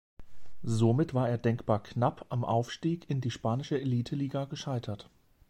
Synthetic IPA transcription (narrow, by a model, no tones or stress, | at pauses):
zomɪtv̥aːɐeːɐdɛŋkb̥aːɐkʰnapʰʔamʔa̰ʊfʃtiːkɪndiːʃpaːnɪʃəeliːtʰəliːɡaɡəʃaɪtʰɐt